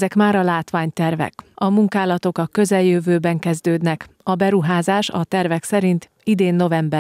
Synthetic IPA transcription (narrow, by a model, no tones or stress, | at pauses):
zɛkmaːɾɒlaːt̪ʋaːɲt̪ɛrvɛ̰kɒmuŋkaːlɒt̪o̞kɒkø̞zɛljøvøːbɛŋkɛzd̪øːd̪nɛkɒbɛɾuɦaːzaːʃɒt̪ɛrvɛksɛɾint̪ | id̪eːnːo̞vɛmbɛ